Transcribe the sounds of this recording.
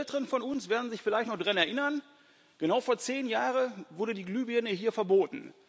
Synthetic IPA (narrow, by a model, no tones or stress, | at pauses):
ɛltəʁənfɔnʊnsv̥eːɐdn̩zɪçfɪlaɪçtnɔχd̥ʁanɛɐʔɪnɐn | ɡ̥ənaʊfoːɐt͡seːnjaːʁəvʊɐdədiːɡlyːbiɛnəhiːɐfɛɐboːtn̩